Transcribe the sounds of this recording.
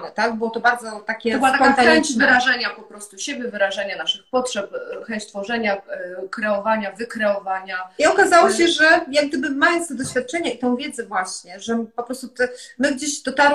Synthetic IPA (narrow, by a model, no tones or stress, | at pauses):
nɛt̪aɡ̚bɘwɔt̪ɔbaɾd̪zɔt̪akʲɛbat̪aɔaɛvɨɾaʐɛɲapɔpɾɔst̪uɕebʲjɛvɘɾaʐɛɲanaʂɘxpɔtʂɛpxɛɲt͡ɕt̪fɔʐɛɲakɾɛɔvaɲavɘkɾɛɔvaɲaiɔkazawɔɕɛʐɛjaɡ̚d̪ɘbɘmajɔnt̪st̪ɛd̪ɔɕfʲjat̪̚t͡ʂɛɲait̪ɛ̃w̃vʲjɛd̪zɛvwaɕɲɛʐɛpɔpɾɔst̪ut̪ɛmɘɡd͡ʑeɕd̪ɔt̪aɾ